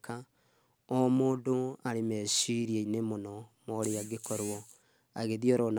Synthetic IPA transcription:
ka | ɔmoːndoaɾemɛsiɾieinemonɔmɔɾeaɡekɔɾwɔ | aɣeðiɔɾɔn

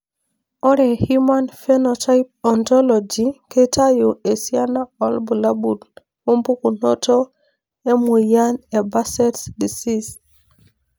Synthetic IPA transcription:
ʔɔɾɛhumanfɛnɔtajp̚ɔntɔlɔd͡ʒikʰetʰajuesianaɔlbulabul | umpukunotɔ | emujanɛbasɛtsdisis

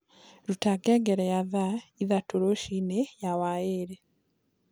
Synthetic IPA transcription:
ɾutaɡeɡeɾejaðaiðatoɾoʃinejawajeɾe

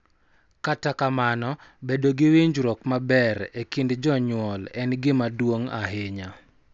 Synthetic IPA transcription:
katakamanɔbedoɡɪwiɲd͡ʒɾɔkmabɛɾekindd͡ʒɔɲwɔlɛnɡɪmadwoŋa̰ɦeɲa

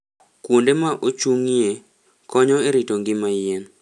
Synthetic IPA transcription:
kwondemaʔot͡ʃuŋie | kɔɲɔeɾitoŋɡɪmajen

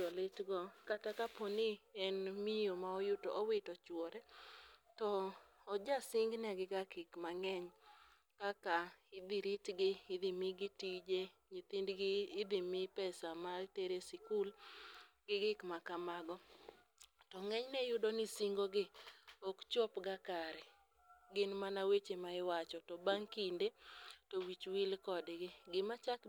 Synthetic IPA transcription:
t͡ʃɔlɪtɡɔkatakaponɪɛnmɪjomaɔjʊto̰ʔowɪtɔt͡ʃwɔɾɛtɔː | d͡ʒasɪŋɡnɛɡɪɡakɪkmaŋɛɲ | kakaɪd̪iɾitɡɪɪd̪ɪmiɡɪtid͡ʒeɲit̪indɡɪd̪ɪmɪpɛsamateɾesɪkul | ɡɪɡɪkmakamaɡɔ | tɔŋɛɲnɛjʊdonɪsiŋɡoɡɪokt͡ʃopɡakaɾɛ | ɡɪnmanawet͡ʃemaɪwat͡ʃɔtɔbaŋkindetowit͡ʃwilkɔdɡɪɡɪmat͡ʃak

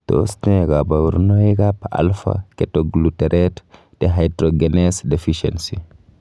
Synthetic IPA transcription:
to̰steɡabawuɾnojiɡapaʔa̰lfa̰kɛtoɡlutɛɾʔɛt | d̥eɦajdɾoɡenesdefiʃḛnsi

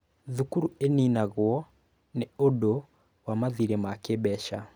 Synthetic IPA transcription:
ðukuɾueninaɣwɔ | neodo | wamaðiɾemakebɛʃa

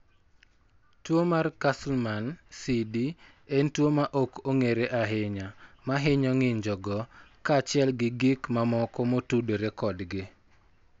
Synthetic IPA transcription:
twomarkaslmansidi | entwomaʔokoŋeɾeʔaɦɪɲamaɦɪɲɔŋɪɲd͡ʒɔɡɔkat͡ʃɪɛlɡɪɡɪkmamɔkɔmotudeɾekɔdɡɪ

